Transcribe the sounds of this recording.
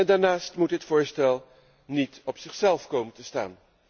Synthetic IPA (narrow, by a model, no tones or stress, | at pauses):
ɛndaːɹnaːstmutɦətfʊːɹstɛlˠ | nitɔpsɪχsɛlˠfkowməntəsta̰ːn